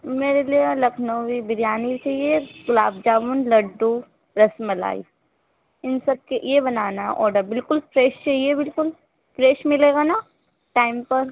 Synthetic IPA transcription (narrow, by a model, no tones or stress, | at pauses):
meːɾelielɐkʰnoʋibɪɾijaːnit͡ʃaɦijeɡʊlaːbd͡ʒaːʋunlɐɖːu | ɾɐsmɐla̰ːḭ | ɪnsɐb̚kejebɐnaːna̰ʔɔːɾɖəɾbɪlkʊlfɾeːʃt͡ʃaɦiebɪlkʊl | fɾeːʃmɪleːɡana | ʈaːɪmpɐɾ